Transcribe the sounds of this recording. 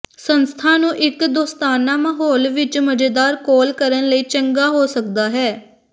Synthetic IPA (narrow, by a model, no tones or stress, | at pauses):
sənst̪ʰaːnũːʔɪkd̪oːst̪aːnaːməɦoːlʋɪt͡ʃməd͡ʒeːd̪aːɾkoːlkəɾənləiːt͡ʃəŋɡaːɦoːsəkd̪aːɦɛː